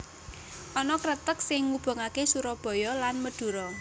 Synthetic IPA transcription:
ʔɔnɔkɾət̪ək̚sɪŋːub̥ə̤ŋakesuɾɔb̥ɔ̤jɔlanməd̥ṳɾɔ

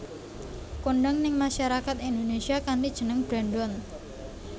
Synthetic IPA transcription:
koɳɖɔŋnɪŋmaʃaɾakat̪ind̪onesiakandid̥ʒ̥ənəŋb̥ɾaɳɖɔn

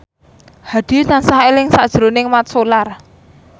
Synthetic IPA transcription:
had̪̥i̤t̪ansaɦaelɪŋsad̥ʒ̥ɾo̤nɪŋmat̪̚solar

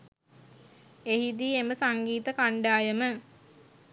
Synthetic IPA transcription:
ehid̪iːeməsaŋɡiːt̪əkaɳɖaːjəmə

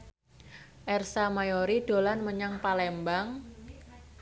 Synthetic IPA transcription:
ʔɛrsamajoɾiɖ̥o̤lanməɲaŋpalɛmbaŋ

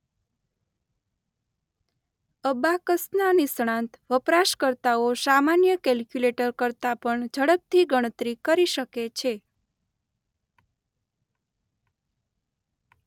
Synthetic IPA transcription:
əbakəsnanisɳ̃ãnt̪ʋəpɾaʃkəɾt̪aosamanjəkɛlkjuleʈəɾkəɾt̪apəɳd͡ʒʱəɽək̚t̪ʰiɡəɽ̃ət̪ɾikəɾiʃəket͡ʃʰe

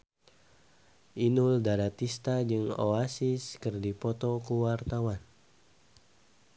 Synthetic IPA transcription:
ʔinuldaɾat̪ist̪ad͡ʒɨŋo̰asiskɨrdipɔt̪ɔkuwart̪awan

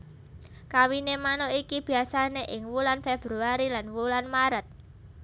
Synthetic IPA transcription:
kawinemanoikib̥i̤asaneʔɪŋwulanfeb̥ɾuaɾilanwulanmaɾət̪̚

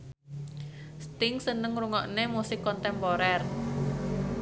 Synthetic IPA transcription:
st̪ɪŋsənəŋɾuŋɔʔnemusɪkːɔnt̪ɛmpoɾɛr

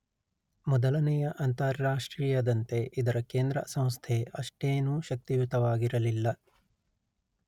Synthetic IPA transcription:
mɔd̪ɐlɐnɛjɐʔɐnt̪ɐɾːaːʂʈɾiːjɐd̪ɐnt̪e̞ʔid̪ɐɾɐkeːnd̪ɾɐ̰sɐ̃w̃st̪ʰeʔɐʂʈeːnuːʃɐk̚t̪iʋut̪ɐʋaːɡiɾɐlilːɐ

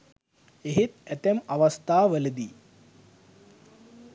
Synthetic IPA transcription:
eɦit̪ɛt̪ɐmɐʋɐst̪ʰaːʋɐlɐd̪i

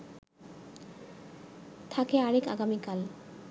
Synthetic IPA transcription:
t̪ʰakeaɾeka̰ɡamikal

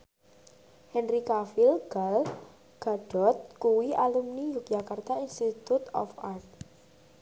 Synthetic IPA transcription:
hɛnɾikafɪlɡ̥al | ɡ̥a̤ɖ̥ɔ̤t̪̚kuwiʔalumnijuk̚d͡ʒakart̪ainst̪it̪ut̪ɔ̰fart̪̚

